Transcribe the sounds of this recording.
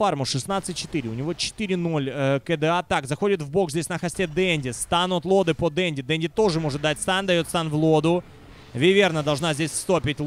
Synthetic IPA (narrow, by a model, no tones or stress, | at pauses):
armʊʂɨsnat̪sɨt̚ʲt͡ɕːɪ̥t̪ɨɾʲɪʊnʲɪvo̞t͡ɕɪ̥t̪ɨɾʲɪno̞lʲəkɛd̪ɨat̪akzɐxo̞dʲɪt̪vbo̞kzʲdʲesʲnəxɐsʲtʲed̪ɛnʲdʲɪst̪anʊt̪lˠo̞d̪ɨpod̪ɛnʲdʲɪd̪ɛnʲdʲɪt̪o̞ʐɨmo̞ʐɨt̪̚d̪atʲst̪and̪ɐjo̞t̪st̪anvlˠod̪ʊ | vʲɪvʲe̞rnəd̪ɐlˠʐnazʲdʲesʲst̪opʲɪt̚ʲl